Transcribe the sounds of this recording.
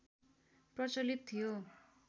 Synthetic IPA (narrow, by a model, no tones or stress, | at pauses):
prʌt͡sʌlit̪ʰːijo